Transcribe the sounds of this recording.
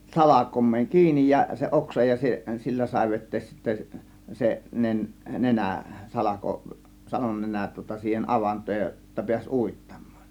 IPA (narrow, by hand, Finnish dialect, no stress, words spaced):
sɑlɑkomˑeːŋ kiːnij jɑ se oksɑ jɑ se silːæ sɑˑe̝ ʋetˑeːs sitːæ se nen nenæ sɑlɑko sɑlonːenæn tŭŏtɑ siːhen ʔɑʋɑntˑoːj jo jotːɑ piæsʲ uˑitːɑ̥m̥ˑɑ̥ːn̥